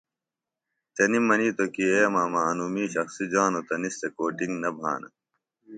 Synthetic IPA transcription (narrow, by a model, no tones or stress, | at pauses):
t͡ɕɐnimɐniːt̪okieːmaːmaɐnuːmiːɕɐxsid͡ʑaːnot̪ɐnist̪ekoːʈiŋɡnɐbʱa̰ːnɐ̰